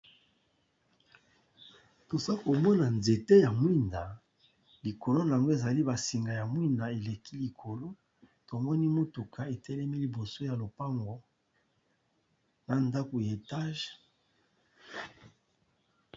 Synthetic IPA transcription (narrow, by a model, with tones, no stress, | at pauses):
to˨za˦ko˨mɔ˦na˨nze˨te˦ja˨mwi˦nda˨ | li˨ko˨lo˦n˨a˨ŋɡo˦e˨za˨li˦ba˨si˨ŋɡa˨ja˨mwi˦nda˨e˨le˨ki˦li˨kʰo˨lo˦ | to˨mɔ˦ni˦mo˦tu˨kʰa˦e˨tɛ˦lɛ˦mi˦li˨bo˨so˦ja˨lo˨pa˦ŋɡo˦ | na˨nda˦ko˨je˨ta˦ʒ